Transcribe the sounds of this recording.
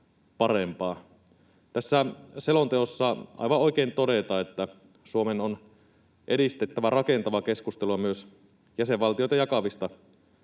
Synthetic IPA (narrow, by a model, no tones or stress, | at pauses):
pɑrempɑː | t̪æsːæselo̞nt̪eosːɑɑ̰jʋɑoik̟eːnt̪o̞de̞t̪ɑːet̪ːæ | suomenon | ʔeɾist̪et̪ːæʋærɑke̞nt̪ɑʋɑke̞skust̪eluɑmyøs | jæseʋʋɑlt̪ijojt̪ɑjɑkɑʋist̪ɑ